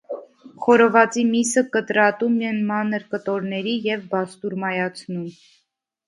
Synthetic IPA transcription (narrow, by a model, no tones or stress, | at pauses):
χɔɾɔvɑt͡simisəkət̪ɾɑt̪umɛnmɑnəɾkət̪ɔɾnɛɾijɛvbɑst̪uɾmɑjɑt͡sʰnum